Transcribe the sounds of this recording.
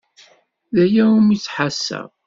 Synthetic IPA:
ðæjæumit͡sːħasːə̰ð

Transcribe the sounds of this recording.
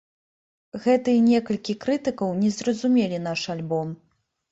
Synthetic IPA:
ɣɛt̪ɨinʲɛkɐlʲkʲikɾɨt̪ɨkɐwnʲɛzrɐzumʲelʲinaʂalʲbɔm

